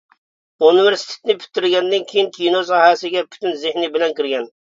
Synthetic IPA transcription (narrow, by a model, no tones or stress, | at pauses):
univeɾsi̥t̪ʰe̥t̪nɪpʰy̥t̪ːɪɾɡʲɛnd̪ɪnkʲʰijinkʲʰinosɑɦɛsɪɡʲɛpʰy̥t̪ʰynzɪhnibɪlɛnkʲiɾɡʲɛn